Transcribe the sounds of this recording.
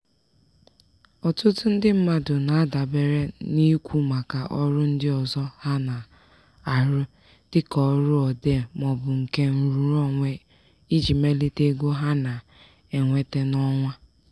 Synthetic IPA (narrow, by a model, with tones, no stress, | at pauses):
ɔ˨tʊ˦tʊ˦n̩˦dɪ˦m̩˦ma˦dʊ˨na˨a˦da˨be˦ɾe˦ni˦kʷu˦ma˨ka˨ʔɔ˦ɾʊ˦n̩˦dɪ˦ɔ˨zɔ˦ha˦na˨ | a˨ɾʊ˦ | tɪ˦kɔ˨˦ɾʊ˦ɔ˨de˦˨mɔ˨bʊ˨ŋ̩˨ke˦n̩˨ɾu˨ɾɔ˦ŋʷe˦ | i˦d͡ʒi˨me˦li˦te˦ɡo˦ɦa˦na˨ | e˨ŋʷe˦te˦nɔ˦ŋʷa˦